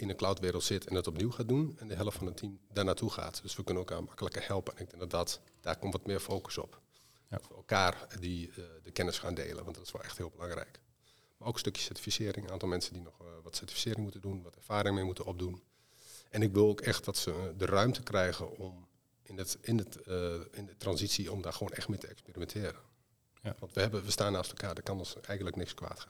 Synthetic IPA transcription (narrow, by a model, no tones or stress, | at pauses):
ɪnənklawtʋɪːɾəlˠtsɪtʰɛnətɔpniwxaːt̚dunɛndəɦɛlˠəftfɔnətʰimdaːrnaːtʰuxa̰ːtd̥øsʋəkønənɛlˠkaːmakələkəhɛlˠpəɛnɪɡ̚dɛŋɡdɔtdɔt | d̥aːrkɔmtʋɔtmɪəɹfoːkə̥sɔ̰p | dɔtʋəɛlˠkaːrdidəkɛnəsxaːndḛːlə̰ʋɑntdɔtɪ̥sʋɛlˠɛxthɪəlˠbəlɑŋrɛ̰jk | marowkstøkjəsɛɹti̥fisɪːɾɪŋʔaːntɔlˠmɛnsədinɔxʋɔtsɛɹti̥fisɪːɾɪŋmutədunʋɔtɛɹfaːɾɪŋəmɪːmutənɔb̚dun | ʔɛnɪkʋɪlˠoːkɛxt̚dɔtsədərœɥmtəkrɛjɣə̰nɔm | ɪnəɪnəɪndətrɑnzitsiɔmdaːxəʋoːnɛxtmɪːtəɛkspeːrimɛntʰɪːɾə | ʋɑntʋəhɛbəbəstaːnːaːstɛlˠkʰaːdəkɑnɔnsɛjɣəntləknɪkskʋa̰ːtxaː